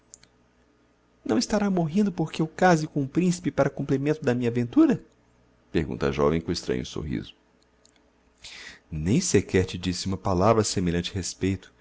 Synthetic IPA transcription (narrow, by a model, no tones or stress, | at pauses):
nɐ̃w̃ist̪aɾamoɦĩnd̪ʊpoɾkeewkazɪkõũpɾĩsi̥pɪpaɾɐkũmplimẽnt̪ʊd̪ɐmĩɲɐavẽnt̪uɾɐ | peɾɡũt̪ɐa̰ʒɔ̰vẽj̃kõist̪ɾɐ̰̃ɲʊ̰so̰hḭzʊ | nẽj̃sekɛɾt͡ʃɪd͡ʒisɪũmɐpalavɾɐsemeʎɐ̃t͡ʃɪɦespejt̪ʊ̥